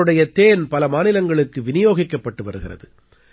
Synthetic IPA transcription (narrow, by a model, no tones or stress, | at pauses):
ɯɽɐjɐt̪eːnpɐlɐmaːnɪlɐŋɡɐɭɯkːɯʋɪnɪjoːɣɪkːɐpːɐʈːɯʋɐɾɯɣɪrɐ̰ðɯ